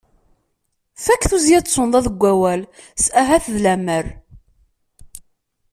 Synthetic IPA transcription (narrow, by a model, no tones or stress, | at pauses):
fækːθuzjæt͡sːˤond̪ˤæðəɡʷːæwælsʔæɦæθðlæməɾ